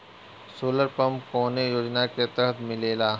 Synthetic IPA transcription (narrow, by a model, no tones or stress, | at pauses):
soːləɾpɐ̃mpkoːnejoːd͡ʒnaket̪ɐɦət̪ʰmɪleːlaː